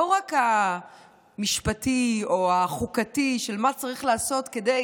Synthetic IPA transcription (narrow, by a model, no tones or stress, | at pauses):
oʁaka | miʃpatioaχukatiʃe̞lmat͡saʁiχlaːso̞tke̞de